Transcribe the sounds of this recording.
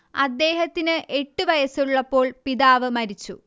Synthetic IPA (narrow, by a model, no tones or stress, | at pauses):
ɐ̰d̪ːe̞ːɦɐt̪ːinɨʔe̞ʈːuʋɐjɐsuɭːɐpːo̞ːɭpiðaːʋɨmɐɾit͡ɕːu